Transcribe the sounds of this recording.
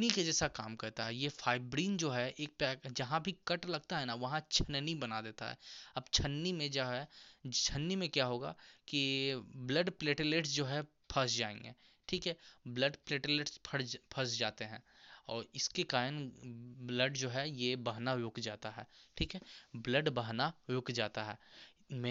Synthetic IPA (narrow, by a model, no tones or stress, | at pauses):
niked͡ʒɛːsakaːmkɐɾt̪aɦɛjefʰaːɪbɾiːnd͡ʒoːɦɛʔeːk̚pɛːd͡ʒɐɦãbʱikɐʈlɐɡ̚t̪aɦɛnaʋɐɦãt͡ʃʰɐnnibɐnad̪eːt̪a̰ɦɛ̰ːɐbt͡ʃʰɐnːimẽd͡ʒoɦɛt͡ʃʰənːimẽkjaɦoːɡa̰kibləɖpleːʈɪleːʈsd͡ʒoːɦɛ | pʰɐsd͡ʒaːḛ̃ŋɡḛ̃ː | ʈʰiːkɦɛbləɖpleːʈɪleːʈspʰɐɽpʰɐsd͡ʒaːt̪eɦɛ̃ːɔːɾɪskekaːɾənbləɖd͡ʒoːɦɛjebaɦnajʊkd͡ʒaːt̪aɦɛːʈʰiːkɦɛbləɖbəɦnajʊkd͡ʒaːt̪aɦɛ̰ː | mɛ̃